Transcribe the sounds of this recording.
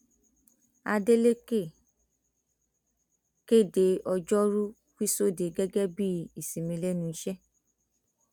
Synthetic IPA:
a˧de˦le˦ke˦˨ | ke˦˨de˧ɔ˧d͡ʒɔ˦ɾu˦ | fi˦so˦˨de˨ɡɛ˦ɡɛ˦bi˦i˨sĩ˨mĩ˧lɛ˦nũ˧i˦ʃɛ˦

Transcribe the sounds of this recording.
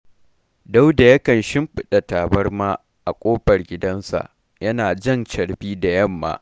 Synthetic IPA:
da˦wda˨jɐ˦kɐ˨nʃɪ˦mɸɪ˦ɗɐ˨taː˨bɐ˦rmaː˦ | ʔa˨kʷʼoː˦ɸɐ˨rɡʲɪ˦dɐ˦nsa̰˨ʔ | jɐ˦naː˨d͡ʒɐ˦˨nt͡ʃɐ˨ɽbiː˦da˨jɐ˦˨mːa̰ː˦

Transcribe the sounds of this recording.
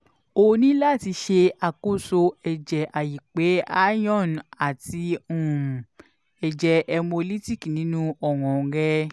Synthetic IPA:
o˧nĩ˦la˦˨ti˧ʃe˧a˨ko˦˨so˧ɛ˨d͡ʒɛ˨ʔa˨ji˨k͡pe˨˦a˦jɔ̃˦˨n˨a˨ti˧ũ˨ | ɛ˨d͡ʒɛ˨ʔɛ˧mo˧li˦ti˦˨ki˨nĩ˨˦nũ˦ɔ˨wɔ̃˨ɾɛ˧

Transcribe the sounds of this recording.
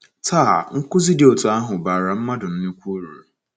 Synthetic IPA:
tʰaː˦˨ŋ̩˦kʊ˦zɪ˦dɪ˨o˨tʊ˨a˦ɦʊ˨baː˨ɾa˨m̩˦ma˦dʊ˨n̩˦nʊ˦kʷo˦ɾṵ˨ɾe˨

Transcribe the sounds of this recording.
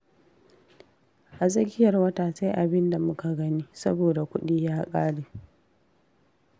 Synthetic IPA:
ʔa˨zʼɐ˦ɡʲɪ˦jɐ˨rwɐ˦taː˨sa˦jʔa˨bɪ˦nda˨mʊ˦ka˨ɡɐ˦niː˦sɐ˦boː˨da˨kʷʊ˦ɗiː˦jaː˦kʼaː˦ɽeː˨

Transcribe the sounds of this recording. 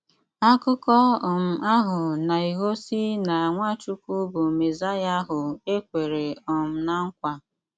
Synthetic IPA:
a˦kʊ˦kɔ˦˨m̩˨a˦ɦʊ˨na˨i˨ɦo˦si˦na˨a˨ŋʷa˦t͡ʃu˦ku˦bu˨me˨za˦ja˦ɦʊ˨e˦kʷe˨ɾe˨ɔ˨m̩˨na˦ŋ̩˦kʷa˨

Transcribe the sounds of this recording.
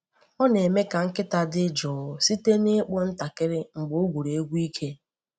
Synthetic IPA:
ɔ˦ne˨me˦ka˨ŋ̩˦kɪ˦ta˨dɪ˦d͡ʒɔː˨si˦te˦nɪ˦k͡pʊ˦n̩˦ta˨kɪ˦ɾɪ˦ŋ͡m̩˨ɡ͡bʊ˦o˦ɡʷu˨ɾe˨e˦ɡʷu˦i˦kʰe˦

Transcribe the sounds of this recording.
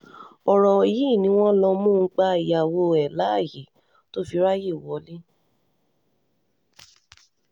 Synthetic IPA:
ɔ˨ɾɔ˨ji˦˨nĩ˧˦w̃ɔ̃˦lɔ˧mũ˦ŋ̩˧˦k͡pa˧i˨ja˨wo˧ɛ˨la˨˦˨ji˨˦ | to˦fi˧˦ɾa˦je˦˨wɔ˨˦le˦

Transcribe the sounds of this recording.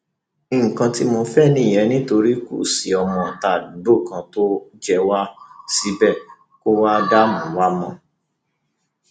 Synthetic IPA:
ĩ˨ŋ̩˨kã˧ti˦mo˧fɛ˦˨nĩ˦˨jɛ˨˦nĩ˦to˧ɾi˦kṵ˦˨si˨ɔ˧˨mɔ̃˨ta˨ddo˦˨kã˧to˦d͡ʒɛ˦wa˦si˦bɛ˦˨ | ko˦wa˦da˦mɔ̃˨wa˦mɔ̃˦

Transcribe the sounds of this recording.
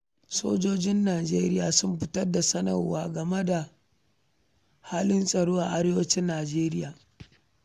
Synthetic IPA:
so̰ː˦d͡ʒoː˦d͡ʒɪ˦nːaː˨d͡ʒḛː˦ɾɪ˦jaː˨sʊ˦mɸɪ˦tɐ˦rda˨sɐ˦nɐ̰˨rwa̰ː˦ɡɐ˨me˦da˨ | haː˦lɪ˦nsʼɐ˨ɽoː˦ʔa˨ʔa˦ɽeː˦wɐ˦t͡ʃɪ˦nːaː˨d͡ʒeː˦ɾɪ˦jaː˨

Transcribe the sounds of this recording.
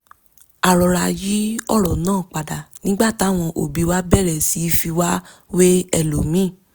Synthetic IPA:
a˨ɾɔ˨ɾa˧ji˨˦ɔ̰˦˨ɾɔ˨nãː˦˨k͡pa˨da˨nĩ˦ɡ͡ba˦˨ti˨˦a˦˨w̃ɔ̃˧ʔo̰˨bi˨˧˦wa˦bɛ˦˨ɾɛ˨si˨˦fi˧wa˦we˦ɛ˦˨lo˨mĩ˦˨

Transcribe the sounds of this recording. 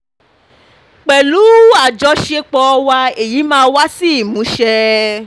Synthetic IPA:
k͡pɛ˨lu˨˦a˦˨d͡ʒɔ˧˦ʃe˧k͡pɔ˧wa˧e˨ji˨˦mãː˦wa˦si˦˨mũ˨˦ʃɛ˧

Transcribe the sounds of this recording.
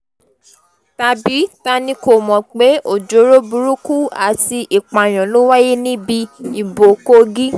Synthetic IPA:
ta˨˧bi˨˦ta˧nĩ˧˦ko˨mɔ̃˨k͡pe˨˦o˨d͡ʒo˨˦ɾo˦bu˧ɾu˦ku˦a̰˨ti˧ʔi˨k͡pa˨j̃ɔ̃˨lo˦wa˦je˦nĩ˦bi˧i˨bo˨ko˦ɡi˦

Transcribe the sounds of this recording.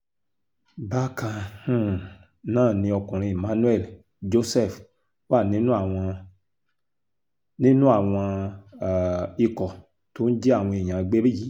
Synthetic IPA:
ba˦kã˧hũ˦˨ | nãː˦˨nĩ˧ɔ˧kũ˨ɾ̃ĩ˧e˨mã˨˦nũ˦ɛ˦˨l | d͡ʒo˦sɛ˦˨f | wa˦˨nĩ˦nũ˦a˦˨w̃ɔ̃˧ | nĩ˦nũ˦a˦˨w̃ɔ̃˧˨ | i˧kɔ˨ | to˨˦n̩˦d͡ʒɛ˦a˦˨w̃ɔ̃˧e˨j̃ã˨˧ɡ͡be˦ɾi˦ji˨˦

